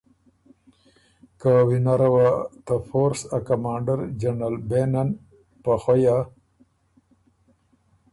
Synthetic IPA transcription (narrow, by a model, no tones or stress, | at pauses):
kawinaɾawat̪afoɾsakamɑːɳɖaɾd͡ʒaɳalbenan | paxwaja